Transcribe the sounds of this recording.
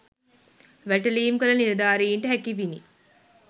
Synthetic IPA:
ʋæʈɐliːmkɐlɐniɾɐd̪aːɾiːɳʈɐɦækiʋinḭ

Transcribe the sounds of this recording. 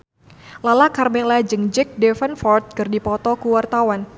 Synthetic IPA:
lalakarmɛlad͡ʒɨŋd͡ʒɛk̚dɛfənfɔrt̪̚kɨrdipɔt̪ɔkuwart̪awan

